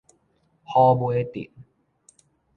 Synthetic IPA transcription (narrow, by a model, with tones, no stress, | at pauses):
hɔː˧bu˧e˧t̪ḭ˨˩t̚